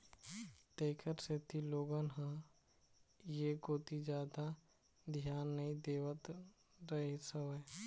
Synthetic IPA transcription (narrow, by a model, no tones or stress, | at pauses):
t̪eːkʰəɾset̪ʰiloːɡənɦã | jekoːt̪id͡ʒjaːd̪a | d̪ʱijaːnːəĩd̪eːʋət̪ | ɾəɦisəe